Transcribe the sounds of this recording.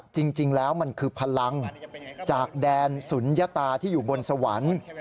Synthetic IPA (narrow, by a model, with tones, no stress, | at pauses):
t͡ɕi˧ŋt͡ɕi˧ŋlɛː˦˥wma˧nkʰɯː˧pʰa˧la˧ŋt͡ɕaː˨˩k̚dɛː˧nsu˩˦nja˦˥t̪aː˧t̪ʰiː˥˩juː˨˩bo˧nsa˧wa̰˩˦n